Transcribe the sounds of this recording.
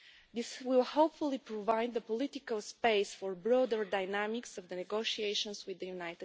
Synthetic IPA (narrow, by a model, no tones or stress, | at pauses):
d̪ɪswɪlˠhoʊpfulˠipɹɔvaɪd̪ðəpɔlɪt̪ikəlˠspeɪsfɔɹbɹod̪əɹd̪aɪnæmɪksɔvd̪ənɛɡoʃieɪʃə̃nswɪðəjunajt̪